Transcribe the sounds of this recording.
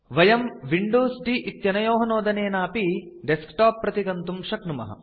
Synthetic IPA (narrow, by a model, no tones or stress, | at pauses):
ʋɐjɐmʋiɳɖoːsɖiʔit̪jɐnɐjoːɦɐnoːd̪ɐneːnaːpiɖeskʈaːpːɾɐt̪iɡɐnt̪umʃɐknumɐ̰ɦɐ̰